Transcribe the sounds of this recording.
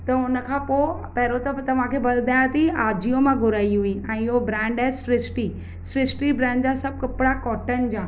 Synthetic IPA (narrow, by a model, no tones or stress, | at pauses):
t̪ɐʊnə̆kʰãːpo | pɐɦɪɾot̪ɐt̪ɐʋ̤ãkʰeːbɐld̪ʱaːjat̪iaːd͡ʑijomãɡʱʊɾaːiɦʊĩɛ̃ːɪɦobɾɛ̃ːɳɖɛɦsɾɪsʈi | sɾɪsʈibɾɛ̃ːɳɖd͡ʑasɐb̚kɐpɪɽakɔːʈən̆d͡ʑãː